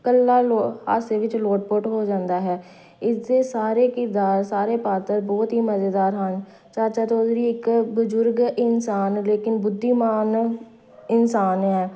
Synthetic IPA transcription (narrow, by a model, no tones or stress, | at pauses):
kəlːaːloa̰ːseːʋɪt͡ʃloːʈ̚poːʈɦoːd͡ʒãːnd̪aːɦɛː | ɪsd̪eːsaːɾeːkɪɾd̪aːɾsaːɾeːpaːt̪əɾbɔːt̪ɦiːməzeːd̪aːɾɦən | t͡ʃaːt͡ʃaːt̪osɾiːɪkbəd͡ʒʊɾɡɪnsaːnleːkɪnbʊd̪ʱːiːmaːn | ɪnsaːnɦɛː